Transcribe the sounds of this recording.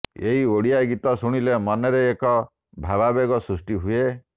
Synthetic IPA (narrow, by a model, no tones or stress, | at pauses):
eɦioɽijaɡit̪ɔsuɽ̃ilemɔneɾeːkɔ | bʱababeɡɔsɾusʈiɦue